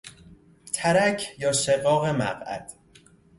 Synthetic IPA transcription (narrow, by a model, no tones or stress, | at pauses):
t̪ʰæɾæcʰjɒːʃeɣɒːɣe̞mæ̰ɢæ̰d̪̥